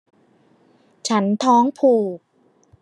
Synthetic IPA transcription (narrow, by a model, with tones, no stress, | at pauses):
t͡ɕʰa˦˥nt̪ʰɔː˦˥ŋpʰuː˨˩k̚